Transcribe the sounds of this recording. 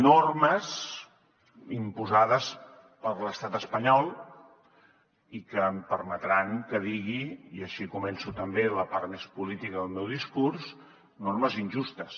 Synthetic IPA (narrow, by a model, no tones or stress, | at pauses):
norməz | impuzaðəs | pəɾləst̪at̪əspəɲɔlˠ | ikəmpəɾmət̪ɾaŋkəðiɣiiəʃikumɛnsut̪əmbeləpaɾt̪mespulit̪ikəðəlˠmewðiskurs | norməzinʲʒust̪əs